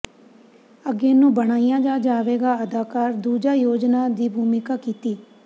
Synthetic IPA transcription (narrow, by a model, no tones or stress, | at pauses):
əɡeːnũːbəɽ̃aːijãːd͡ʒaːd͡ʒaːʋeːɡaːəd̪aːkaːɾd̪uːd͡ʒaːjoːd͡ʒnad̪iːbʱuːmɪkaːkiːt̪iː